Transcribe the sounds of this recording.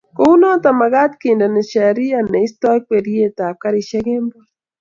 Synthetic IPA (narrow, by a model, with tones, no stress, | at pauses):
ko˦u˦nɔ˦ta˨ma˨ɣa˦tke˨nda˨ne˨ʃa˨ɾi˦a˨ne˨i˦stɔ˦kwe˨ɾje˦ta˨ka˦ɾi˨ʃe˦ɣe˦mbo˦